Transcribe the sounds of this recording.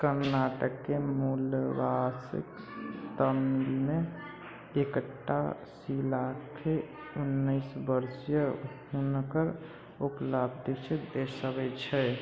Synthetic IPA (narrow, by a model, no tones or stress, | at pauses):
kəɾnaʈəkːemulbasḭk | t̪əmilme | ekəʈːa | silakʰe | unːəɪsbəɾsjəɦunkəɾ | upləbd̪it͡ʃʰed̪eɾsəbɛt͡ʃʰɛ